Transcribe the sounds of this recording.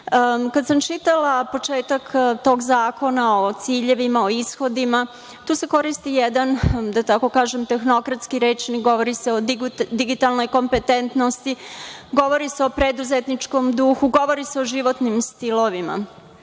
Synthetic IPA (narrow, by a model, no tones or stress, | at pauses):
kad̪samt͡ʃit̪alapo̞t͡ʃe̞ːt̪akt̪o̞ːɡzaːko̞naot̪siːʎe̞ʋimao̞isxo̞d̪ima | t̪uːse̞ko̞ɾist̪ijed̪and̪at̪ako̞kaːʒemt̪e̞xno̞kɾat̪skiɾe̞ːt͡ʃnikɡo̞ʋo̞ɾiseod̪iɡit̪alˠno̞jko̞mpet̪ent̪nost̪iɡo̞ʋoɾiseopɾed̪uzet̪nit͡ʃko̞md̪uxuɡo̞ʋo̞ɾise̞o̞ʒiʋo̞t̪nimst̪ilˠo̞ʋima̰